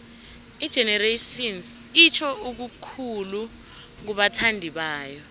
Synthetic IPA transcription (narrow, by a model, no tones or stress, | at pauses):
id̥ʒ̥ʱɛnɛreʃins | it͡ʃʰɔuk̬ukʰulu | k̬uɓatʰandʱiɓaːjɔ